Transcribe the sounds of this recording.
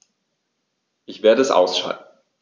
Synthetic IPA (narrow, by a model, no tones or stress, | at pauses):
ʔɪçv̥eːɐɾəɛsʔa̰ʊsʃa̰ltn̩